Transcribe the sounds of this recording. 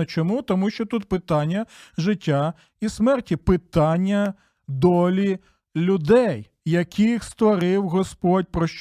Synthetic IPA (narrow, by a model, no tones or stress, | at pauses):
ɐt͡ʃɔmut̪ɔmuʃt͡ʃɔt̪ut̪̚pɪt̪ɑnʲːɐʒɪtʲːa | ismɛrtʲipɪt̪ɑnʲːɐ | d̪ɔlʲi | lʲʊd̪ɛjː | ɐkʲʰixst̪ʋɔɾɪwɦɔspɔdʲpɾɔʃt͡ʃ